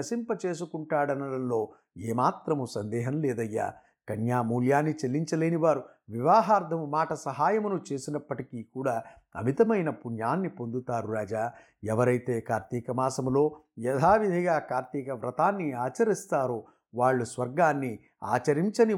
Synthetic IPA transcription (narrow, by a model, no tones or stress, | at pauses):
ɐsimpɐt͡ʃe̞ːs̬ukuɳʈaːɽɐnɐlɐnlo̞ː | eːmaːt̪ɾɐmusɐnd̪ɛːɦɐmleːd̪ɐjːa̰ː | kɐnjaːmuːljaːnːit͡ʃelːiɲt͡ʃɐleːniʋaːɾu | ʋiʋaːɦaːɾd̪ʱɐmumaːʈɐsɐɦaːjɐmunut͡ʃe̞ːsinɐpːɐʈikiːkuːɽaː | ɐ̰mit̪ɐmɐjnɐpunjaːnːipond̪ut̪aːɾuɾaːd͡ʒaː | ɛʋɐɾɐjt̪e̞ːkaːɾt̪iːkɐmaːsɐmlo̞ːjɛd̪ʱaːʋid̪ʱɐɡaːkaːɾt̪iːkɐʋɾɐt̪aːnːiaːt͡ʃɐɾist̪aːɾoː | ʋaːɭːusʋɐɾɡaːnːi | a̰ːt͡ʃɐɾiɲt͡ʃɐni